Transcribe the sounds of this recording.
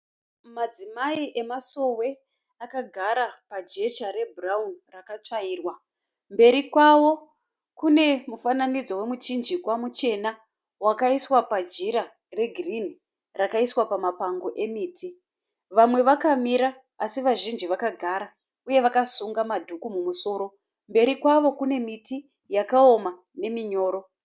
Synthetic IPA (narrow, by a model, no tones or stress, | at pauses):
mad͡zimaiʔe̞maso̞we̞ | akaɡʱaɾapad͡ʒe̞t͡ʃaɾe̞bʱuraunrakat͡ʂaiːrwa | mbe̞ɾikwawo̞ | kune̞mufananid͡zo̞we̞mud͡ʒind͡ʒikwamut͡ʃe̞na | wakaiswapad͡ʒiɾa | re̞ɡʱirin̤i | rakaiswapamapaŋɡo̞ʔe̞miːtʰi | ʋamwe̞ʋakamiɾaː | siʋaʒind͡ʒiʋakaɡʱaɾa | uje̞ʋakasuŋɡamadʱukumumuso̞ːɾo̞ | mbe̞ɾikwaʋo̞kune̞miti | jakao̞ma | ne̞miɲo̞ːɾo̞